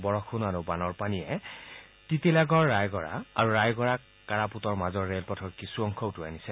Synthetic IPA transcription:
bɔɹɔkʰʊnaɹubanɔɹpanijɛ | titelaɡɔɹːajɡɔɹa̰ːɹuɹajɡɔɹa | kaɹaputɔɹmazɔɹːelpɔtʰɔɹkisuɔŋkʰɔʊtʊanisɛ

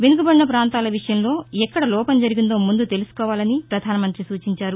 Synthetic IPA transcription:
ʋe̞nuɡubɐɽiːɐpɾaːnt̪aːlɐʋiʂɐjɐmlo̞ːɛkːɐɽɐlɔːpɐmd͡ʒɐɾiɡind̪oːmund̪ut̪e̞lusu̥kɔːʋaːlɐnipɾɐd̪ʱaːnɐmɐnt̪ɾisuːt͡ʃiɲt͡ʃaːɾu

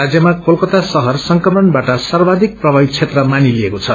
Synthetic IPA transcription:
ad͡zjʌmakolkʌt̪asʌɦʌrsʌŋkʌmʌnbaʈʌsarbad̪ʱik̚prʌbʱajt͡sʰet̪rʌmaniliekot͡sʰʌ

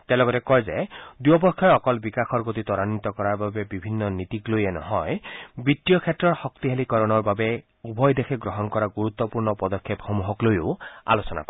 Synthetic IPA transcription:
t̪elɔɡɔtekɔjzed̪uɔpɔkʰːjɔjɔkɔlbikaxʰɔɾɡot̪it̪ɔɾanːit̪ɔkɔɾaɹbabebibʱinːɔnit̪iklojenɔɦɔjbit̪ːijɔkʰetːɹɔɹxɔkt̪iɦelikɔɾɔnɔɹbabe | ubʱɔjd̪ekʰeɡɾɔɦɔnkɔɾaɡuɾut̪ːɔpuɹnɔpɔd̪ɔkʰːepxɔmuɦɔklojoa̰losɔna̰kɔ

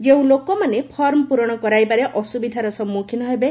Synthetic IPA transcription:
d͡ʒeũlokɔmanepʰɔɾmɔpuɾɔɽ̃ɔkɔɾajbaɾeʔɔsubid̪ʱaɾɔsɔmːukʰinɔɦebe

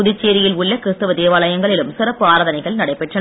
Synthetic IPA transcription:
ʊðɪt͡ʃːeːɾɪjɪlʊɭːɐkɪɾɯst̪ɯʋɐd̪eːʋaːlɐjɐŋɡɐɭɪlɯmsɪrɐpːɯaːɾaːðɐnɐɪɣɐɭnɐɽɐɪpːɛʈrɐ

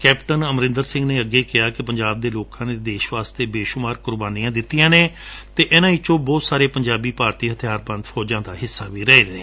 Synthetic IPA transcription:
kɛːpʈənəmɾɪ̃nd̪əɾsɪ̃ŋɡneːəɡeːkɪjaːkɪpəɲd͡ʒaːb̚d̪eːloːkãːneːd̪eːʃʋaːst̪eːbeːʃʊmaːɾkʊɾbaːnijãːd̪ɪt̪ːijãːneːt̪eːʔɛnãːiːt͡ʃõːbɔːt̪saːɾeːpəɲd͡ʒaːbiːpaːɾt̪iːɦət̪ʰɪjaːɾbə̃nd̪fʰɔːd͡ʒãːd̪aːɦɪsːaːʋiːɾɛeːɾeː

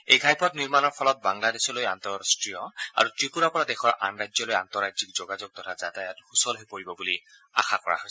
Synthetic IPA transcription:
ejɡʱajpɔtniɹmanɔɹpʰɔlɔt̚baŋladesɔlojantɔɹastɹijɔa̰ɹutɹipuɹapɔɹadɛxɔɹʔa̰nɹazɔloja̰ntɔɹazikzɔɡazɔk̚tɔtʰazatajɔthusɔlɦepoɹibɔbuli | a̰xʰakɔ̰ɹa̰ɦojsɛ

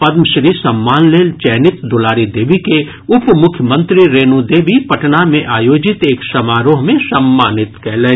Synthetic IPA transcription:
pɐd̪məʃɾiːsɐmːaːnleːlt͡ʃɛːnɪt̪d̪ʊlaːɾid̪eːʋike | ʊpmʊkʰjəmə̃nt̪ɾiɾeːnũd̪eːʋipɐʈnamẽʔaːjoːd͡ʒɪt̪eːksɐmaːɾoːɦmẽsɐmːaːnɪt̪kɛɦle

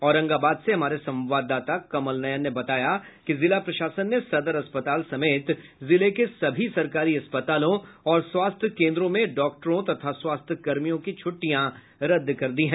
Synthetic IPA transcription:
ɔːɾɐ̃ŋɡaːbaːd̪seɦɐmaːɾesɐ̃mʋaːd̪ːaːt̪akɐməlnɐjənnːebɐt̪aːja | kizɪlapɾɐʃaːsənːesɐd̪əɾɐspət̪aːlsɐmeːt̪zɪlekesɐbʱisɐɾkaːɾiɐspət̪aːlõɔːɾswaːst̪ʰəkẽːnd̪ɾõmẽɖɔːk̚ʈəɾõt̪ɐt̪ʰaswaːst̪ʰkɐɾmijõkit͡ʃʰʊʈːijã | ɾɐd̪ːkɐɾd̪iɦɛ̃ː

